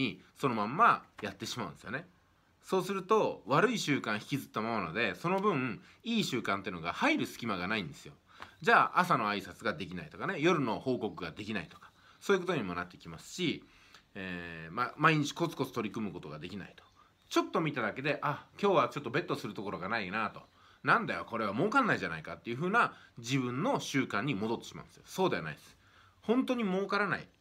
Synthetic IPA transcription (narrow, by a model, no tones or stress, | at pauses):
iso̞no̞mãmːajat̪ːe̞ɕimaɯ̟̃nd̪esjo̞ne̞ | so̞ːsɨɾɯ̟t̪o̞βaɾɯ̟iɕɨːkãɰ̃çi̥kʲizɨ̥t̪ːamamanod̪e̞so̞no̞bɯ̟̃ | iːɕɨːkãnt̪e̞iɯ̟noɡa̰haiɾɯ̟sɨ̥kʲimaɡanaĩnd̪e̞sɨjo̞ | d͡ʑaːʔasano̞aisat͡sɨɡad̪e̞kʲinait̪o̞kane̞jo̞ɾɯ̟no̞ho̞ːko̞kɯ̟ɡad̪e̞kʲinait̪o̞̥kḁ | so̞ːjɯko̞t̪o̞ɲ̟imonat̪ːekʲimasɨ̥ɕi | eːmamaiɲ̟it͡ɕi̥ko̞t͡sɨ̥ko̞t͡sɨ̥t̪o̞ɾʲikɯ̟mɯ̟ko̞t̪o̞ɡad̪e̞kʲina̰it̪o̥ | t͡ɕo̞t̪ːo̞mʲit̪ad̪ake̞d̪e̞ʔakʲo̞ːβat͡ɕo̞t̪ːo̞be̞t̪ːo̞sɨɾɯ̟t̪oko̞ɾo̞ɡanainat̪o̞ | nãnd̪ajoko̞ɾe̞β̞amo̞ːkãnːaiʑanaikat̪ːejɯ̟ɸɯ̟ːnad͡ʑiβɯ̟̃nːo̞ɕɨːkãɲ̟ːimo̞d̪o̞t̪ːeɕima̰ɯ̰̃nd̪esɨjoso̞ːd̪e̞ana̰id̪sɨ̥ | hõ̞nt̪o̞ɲ̟imo̞ːkaɾana̰i